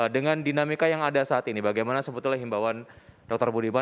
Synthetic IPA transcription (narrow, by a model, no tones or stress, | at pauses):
dəŋandinamikajaŋadasaːt̪inibaɡajmanasəbut̪ulaɦimbawand̥ɔk̚t̪ɔrbudiba